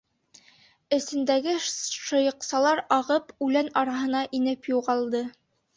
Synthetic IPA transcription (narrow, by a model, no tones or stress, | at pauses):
ɘ̆sɘ̆nd̪æɡɘʃɤ̆jɤ̆qsɑlˠɑɾɑʁɤpʉlænɑɾɑɦɤ̆nɑʔinɘpjuʁɑlˠd̪ɤ